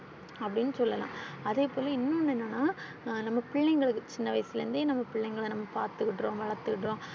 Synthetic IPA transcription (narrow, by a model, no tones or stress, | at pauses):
ɐpːɐɽɪnːɯsɔlːɐlã̰ːɐðeːpoːlɐɪnːõːnːɛnːɐnːaː | nɐmːɐpɪɭːɐŋɡɐɭɯkːɯt͡ʃɪnːɐʋɐɪsɪlɐɾɯnd̪ɯnɐmːɐpɪɭːɐŋɡɐɭnɐmːɐpaːɾt̪ɯkːɪʈːɾõːʋɐɭɐɾt̪ɯkɪʈːɾõː